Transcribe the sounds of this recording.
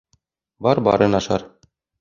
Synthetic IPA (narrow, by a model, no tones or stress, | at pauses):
bɒɾbɒ̰ɾɤ̆nɒʃɑ̰ɾ